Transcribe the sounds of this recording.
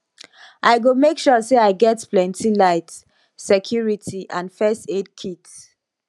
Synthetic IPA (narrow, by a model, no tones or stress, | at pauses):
ʔaɪɡomekʃɔseaɪɡɛtplɛ̃ntilaɪt | sɛkʰjuɹitʰiʔãnfɛsted̚kʰit